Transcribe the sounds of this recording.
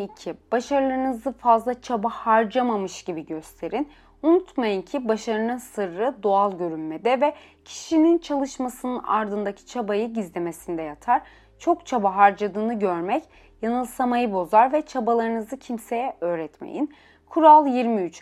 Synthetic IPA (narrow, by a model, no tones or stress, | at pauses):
icʰib̥aʃaɾlˠaɾɯnɯzɯfazlˠat͡ʃʰabahaɾd͡ʒamamɯʃɟ̥ibiɟøst̪ʰe̞ɾin | unut̪majɯncʰibaʃaɾɯnɯnsɯɾːɯd̪o̞alˠɟø̞ɾynmed̪ɛvɛ | cʰi̥ʃinint͡ʃʰalˠɯʃmasɯnɯna̰ɾd̪ɯnd̪acʰi̥t͡ʃʰabajɯɟizlʲemesind̪ɛjat̪ʰaɾ | t͡ʃʰo̞kt͡ʃʰabaɦaɾd͡ʒad̪ɯːnɯɟøɾmɛc | janɯlˠsamajɯbo̞zaɾvɛt͡ʃʰabalˠaɾɯnɯzɯcʰimse̞jɛʔøːɾɛt̪mḛjḭn | kʰuɾalˠjiɾmiyt͡ʃ